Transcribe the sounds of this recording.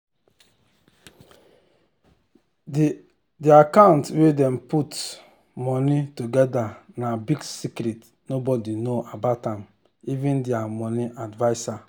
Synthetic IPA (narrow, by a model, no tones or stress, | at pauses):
diakãntwedɛmput | mɔnituɡɛdanabiɡsikɾit | nobɔdinoʔabaʊtãm | ivĩndiamɔniʔadvaɪsa